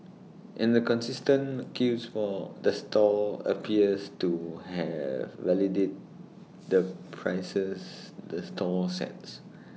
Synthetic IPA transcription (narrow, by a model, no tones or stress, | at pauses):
ʔɪ̃ndəkɔ̃nsistə̃nkʰusfɔdəstʰɔə̰pʰiəstuhɛ̰vːɛlidet̚ | dəpʰɹaɪsəsdəstʰɔsɛ̰ts